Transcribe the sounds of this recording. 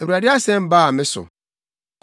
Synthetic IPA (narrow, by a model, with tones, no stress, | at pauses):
e˨u˨a˨dɪ˦a˦sɛ̃˦m̩˦baː˦˨mɪ̃˦sʊ̰˨ | k